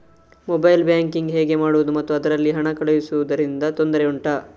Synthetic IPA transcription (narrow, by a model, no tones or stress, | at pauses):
mobɐjlbjaːŋkiŋɡɦeːɡe̞maːɽuʋud̪umɐt̪ːuɐd̪ɐɾɐlːiɦɐɳɐkɐɭejisuʋud̪ɐɾind̪ɐt̪o̞nd̪ɐɾeuɳʈɐ